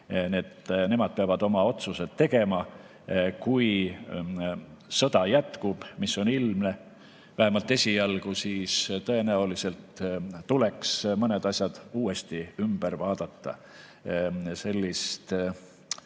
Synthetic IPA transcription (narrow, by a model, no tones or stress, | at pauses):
net̪ne̞mɑd̪̥̚peɑvɑd̪̥o̞mɑo̞t̪sused̪̥e̞ɡ̥e̞mɑ | kuj | sɤ̞d̪̥ɑjæt̪kub̥misːo̞nilmne̞ | væhe̞mɑlt̪ːˑe̞sʲiɑlɡ̥usiːst̪ɤ̞e̞næulise̞lt̪ːule̞ksmɤned̪ɑsʲjɑd̪̥uːest̪iymb̥eɾvɑːd̪̥ɑt̪ːɑ̰ | se̞lʲːist̪